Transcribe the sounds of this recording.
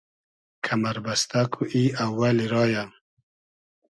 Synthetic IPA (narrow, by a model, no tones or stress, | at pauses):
kʰamaɾbast̪akʰuʔiawːaliɾɑːja